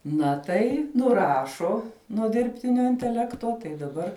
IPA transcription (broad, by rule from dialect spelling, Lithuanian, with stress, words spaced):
ˈnɐ tɐɪ nʊˈrɑːʃoː nuɔ dʲɪrʲpʲˈtʲɪnʲoː ɪnʲtʲɛˈlʲæːktoː tɐɪ dɐˈbɐr